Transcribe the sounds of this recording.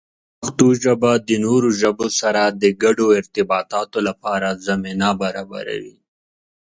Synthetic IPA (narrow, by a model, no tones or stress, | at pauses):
ɐxt̪uʒɐbad̪ənoɾuʒɐbosaɾad̪əɡɐɖoɪɾt̪ɪbɑːt̪ɑːt̪olapɑːɾazɐmenabɐɾaːba̰ɾa̰wi